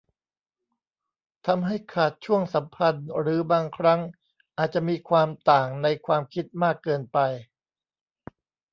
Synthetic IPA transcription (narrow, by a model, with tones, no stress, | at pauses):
t̪ʰa˧mɦa˥˩jkʰaː˨˩t̪̚t͡ɕʰu˥˩əŋsa˩˦mpʰa˧nɾɯː˩˦baː˧ŋkʰɾa˦˥ŋ | ʔaː˨˩t̪̚t͡ɕa˨˩miː˧kʰwaː˧mt̪aː˨˩ŋna˧jkʰwaː˧mkʰi˦˥t̪̚maː˥˩kːɤː˧npa˧j